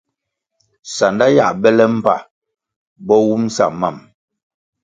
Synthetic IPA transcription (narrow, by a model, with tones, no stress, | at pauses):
sa˨nda˦ja˦˨bɛ˦lɛ˦m̩˦pa̰˨ | bɔ˦wu˦m˦sa̰˨ma˨m